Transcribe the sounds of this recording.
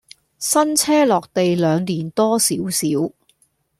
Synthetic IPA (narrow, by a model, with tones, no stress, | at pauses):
sɐ˥nt͡sʰɛː˥lɔː˨k̚t̪e˨jlœː˨˧ŋliː˨˩nt̪ɔː˥siː˨˥wsiː˨˥w